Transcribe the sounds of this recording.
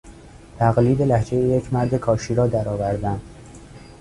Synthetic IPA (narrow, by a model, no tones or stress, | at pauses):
t̪ʰæɣliːd̪e̞læhd͡ʒe̞jejecʰmæɾd̪ekʰɒːʃiːɾɒːd̪æɾɒːvæɾd̪æm